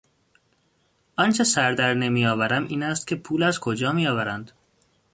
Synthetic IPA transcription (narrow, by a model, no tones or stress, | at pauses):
ʔɒnt͡ʃʰe̞sæɾd̪æɾne̞mijɒːvæɾæmiːnæst̪cʰe̞pʰuːlæzkʰod͡ʒɒːmijɒːvæɾænd̪